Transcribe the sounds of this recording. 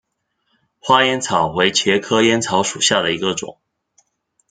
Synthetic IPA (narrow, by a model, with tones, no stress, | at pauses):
xwa˥jɛ˥nt͡sʰɑ˨˩ʊwe˧˥ɪt͡ɕʰjɛ˧˥kʰɤ˥jɛ˥nt͡sʰɑ˧˥ʊʂu˨˩ɕja˥˩d̪ə˩i˧˥ɡə˧ʈ͡ʂʊ̰˨˩˦ŋ